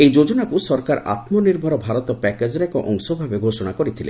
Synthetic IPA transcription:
ejd͡ʒod͡ʒɔnakusɔɾkaɾʔa̰t̪mɔniɾmʱɔɾɔbʱaɾɔt̪ɔpɛked͡ʒɔɾɛkɔʔɔŋsɔbʱabeɡʱosɔɽ̃akɔɾit̪ʰilḛ

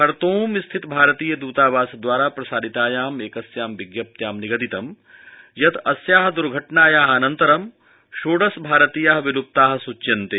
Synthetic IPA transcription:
kɐɾt̪oːmist̪ʰit̪bʱaːɾɐt̪iːjɐd̪uːt̪aːʋaːsɐd̪ʋaːɾaːpɾɐsaːd̪it̪aːjaːmeːkɐsjaːmʋiɡjɐp̚t̪jaːmniɡɐd̪it̪ɐm | jɐt̪ɐsjaːɦɐ̆d̪uɾɡʱɐʈɳaːjaːɦɐɐnɐnt̪ɐɾɐm | ʃoːɖɐsbʱaːɾɐt̪iːjaɦɐʋilup̚t̪aːɦɐsut͡ʃːjɐnt̪eː

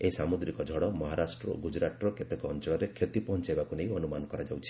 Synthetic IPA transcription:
esamud̪ɾikɔd͡ʒʱɔɽɔmɔɦaɾasʈɾɔ̰ɡud͡ʒɾaʈɾɔket̪ekɔɔnt͡ʃɔɭɔɾekʰet̪ipɔɦɔnt͡ʃajbakunej̃ɔnumanɔkɔɾad͡ʒawt͡ʃʰi̥

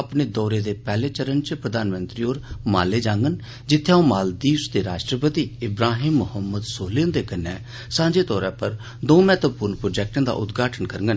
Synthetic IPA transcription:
əpneːd̪ɔːɾeːd̪eːpɛːleːt͡ʃəɾənt͡ʃpɾəd̪aːnmə̃nt̪ɾiːoːɾma̰ːlːeːd͡ʒãːŋɡən | d͡ʒɪt̪ʰːeõːmaːld̪iːsd̪eːɾaːʃʈɾəpət̪iːɪbɾaːɦiːmːʊhəmːəd̪soːlẽːnd̪eːkənːɛː | sãːɲd͡ʒeːt̪ɔːɾãːpəɾ | d̪õːmɛːt̪əpʊɾnpɾoːd͡ʒɛːk̚ʈə̃ːd̪a̰ːʔʊt̪ɡaːʈʰənkəɾəŋɡən

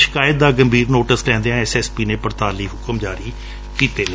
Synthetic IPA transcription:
ʃə̥kaːjət̪̚d̪aːɡəmbʱiːɾnoːʈəslɛ̃ːnd̪eãːɛːsɛːspiːnẽːpəɾt̪aːliːɦʊkəmd͡ʒaːɾiː | kiːt̪eːl

